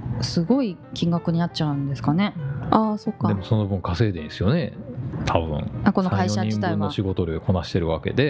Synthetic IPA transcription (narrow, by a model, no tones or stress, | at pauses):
sɨɡo̞i | kʲĩŋɡakɯ̟ɲ̟inat̚t͡ɕaɯ̟̃nd̪e̞sɨ̥kane̞aːso̞kːad̪e̞moso̞no̞bɯ̟̃ŋkase̞ːd̪ẽ̞ĩsɨjo̞ne̞t̪ʰabɯ̟̰̃ɴako̞noaaioad͡ʑit̪ainβoaɕiɡo̞t̪o̞ɾekʰo̞naɕi̥t̪e̞ɾɯ̟βake̞̰d̪e̞